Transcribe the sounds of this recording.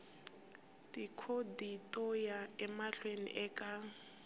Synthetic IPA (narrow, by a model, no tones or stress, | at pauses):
tʼikʰoditʼɔjaɛmaɬwenḭʔɛka